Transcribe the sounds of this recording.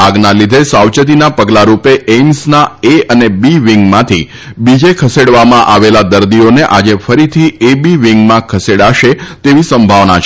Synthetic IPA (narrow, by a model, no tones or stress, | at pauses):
aɡnalid̪ʱesawt͡ʃət̪̬inapəɡlaɾupeʔemsnaeənebiʋiŋɡmãt̪ʰi | bid͡ʒekʰəseɽʋamãʔaʋelad̪əɾd̪ioneʔad͡ʒefəɾit̪ʰiebiʋiŋɡmãkʰəseɽaʃet̪eʋisəmbʱaʋnat͡ʃʰ